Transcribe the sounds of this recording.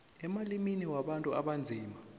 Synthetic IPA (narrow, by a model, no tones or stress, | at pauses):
ɛmaliminiwaɓantʼuaɓand͡zʱiːma